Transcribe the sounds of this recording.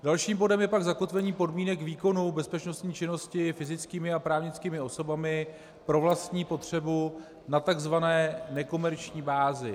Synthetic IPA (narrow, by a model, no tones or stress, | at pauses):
dalʃiːmbo̞dɛmjɛpaɡzako̞t̪vɛɲiːpo̞dmiːnɛkviːko̞nubɛspɛt͡ʃno̞st̪ɲiːt͡ʃɪno̞scɪfɪzɪt͡skiːmɪapɾaːvɲɪt͡skiːmɪo̞so̞bamɪ | pɾo̞vlast̪ɲiːpo̞t̪r̝̥ɛbu | nat̪aɡzvanɛːnɛko̞mɛɾt͡ʃɲiːbaːzɪ